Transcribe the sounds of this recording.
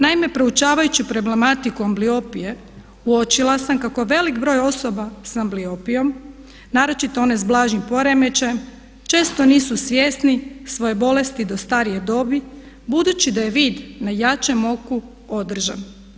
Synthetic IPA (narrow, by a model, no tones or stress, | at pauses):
naime̞pɾo̞ut͡ʃaːʋajut͡ɕupɾo̞ble̞mat̪ikuamblio̞pije̞ | uo̞t͡ʃilˠasamkako̞ʋe̞likbɾo̞ːjo̞so̞basambliopijo̞m | naːɾo̞t͡ʃit̪oo̞ne̞zblˠaːʒɲimpo̞ɾe̞me̞t͡ʃajem | t͡ʃe̞ːst̪o̞niːsusʋje̞ːsnisʋo̞je̞bo̞le̞st̪id̪o̞st̪aɾije̞d̪o̞ːbi | bud̪ut͡ɕid̪aje̞ʋiːd̪najat͡ʃe̞mo̞ku | od̪r̩ʒan